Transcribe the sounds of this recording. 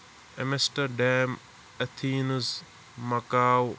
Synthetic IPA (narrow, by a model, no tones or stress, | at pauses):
emesʈɐɾɖɛːm | ɐt̪ʰiːnz | mɐkaːw